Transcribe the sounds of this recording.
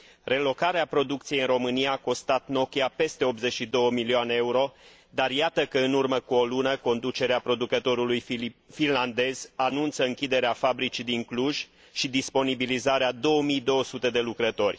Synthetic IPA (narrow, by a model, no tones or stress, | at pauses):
re̞lo̞kaɾeapɾo̞d̪ukt̪sijeɨnro̞mɨniaːko̞st̪at̪no̞kʲjape̞st̪e̞o̞p̪ze̞t͡ʃʃid̪o̞wəmilioaneeuɾo̞ | d̪arjat̪əkəɨnurməkuolunəko̞nd̪ut͡ʃe̞ɾeapɾo̞d̪ukət̪o̞ɾulujfinland̪e̞z̥anunt̪səɨŋkʲid̪eɾeafabɾit͡ʃid̪iŋkluʒ̥ | ʃid̪ispo̞nibilizaɾead̪o̞wəmijd̪o̞wəsut̪e̞d̪e̞lukɾət̪o̞rʲ